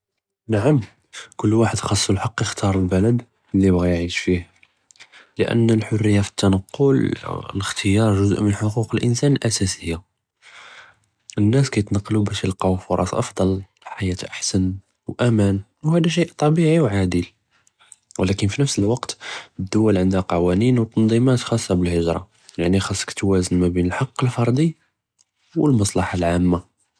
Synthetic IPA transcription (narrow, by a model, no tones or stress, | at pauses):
naʕam | kʊlːwaħəd̪xɑsˤːulħɑqːjəxt̪ɑɾˤəlbæləd̪ | lːibɣæjʕiʃfih | ləʔə̰nːəlħʊrːəjːafə̥t̪ːɑnəqːʊlə̰ləxt̪ʰəjɑɾˤʒʊzʔmənħoquqəlʔə̰nsænəlʔæsæsəjːa | ʔənːæskæjət̪nɑqːlubæʃjəlqɑfʊɾˤʔɑ̰sˤʔɑ̰fd̪ˤɑl | ħajæt̪ʔaħsən | wʔæmæn | whæd̪æʃ̬iʔt̪ˤɑbiʕiwʕad̪əl | wlækənfinəfsəlwɑqt̪əd̪ːʊwːælʕənd̪æqɑwæninwt̪ˤːɑnd̪ˤimæt̪xɑsˤːɑbəlhəʒɾˤɑ̰ | jaʕnixɑsˤːə̥kt̪wæzənmæbinəlħɑqːəlfɑɾˤd̪i | wəlmɑsˤlɑħalʕamːa